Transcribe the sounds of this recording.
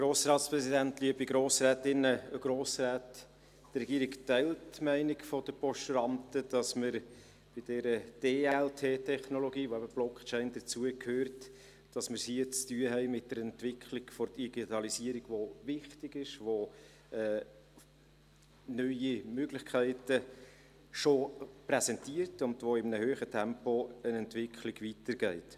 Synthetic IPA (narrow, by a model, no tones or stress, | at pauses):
ɡ̥ɾoːsɾɑːtspɾɛsidæntliəbiɡɾoːsɾæːtɪnːəɡ̥ɾoːsɾæːtː | rɛɡiːɾiɡktæɪltmæɪnɪkfɔdəpɔʃtɾɑnt̪əd̥ɑsməɾ | b̥ɪd̥ɛɾəd̥eːɛɛltʰeːtʰɛχnoloɡiːʋoæbəb̥lɔkt͡ʃɛɪnd̥̪ət͡suəkʰhøːɾt | d̥ɑsməɾshiət͡styːəɦɛɪmɪt̚dəɾɛntʋɪkχlɪɡ̥fɔɾdiɡ̥itɑlisiːəɾiɡ̥ʋovɪχtɪɡɪʃʋo | ɛː | nœʏimøɡlɪχkʰæɪtə | ʃopɾɛsɛntiəɾtʊndʋoɪmnəhøːχətʰɛmpoənɛntvɪkʰlɪɡʋitəɾɡ̥ɛɪt